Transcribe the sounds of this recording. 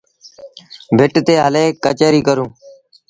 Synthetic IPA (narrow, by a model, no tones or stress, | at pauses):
bʱɪʈt̪eːɦəleːkət͡ʃəːɾiːkəɾũː